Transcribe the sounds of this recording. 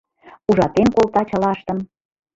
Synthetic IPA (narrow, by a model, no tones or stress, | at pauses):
uʒɑt̪enkolˠt̪ɑt͡ɕə̆lɑʃt̪ə̆m